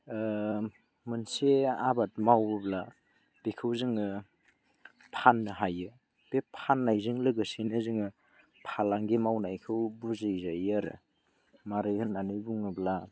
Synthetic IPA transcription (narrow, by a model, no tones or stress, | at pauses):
mɯnseabat̚mawɯbla | b̥ekʰɯwzɯŋɯ | pʰanːɯɦajɯ | b̥epʰanːajzɯŋlɯɡɯsinɯzɯŋɯ | pʰalaŋɡimawnajkʰɯwbuzejzajaɾɯ̰ | maɾɯjhɯnanɯjbuŋɯbla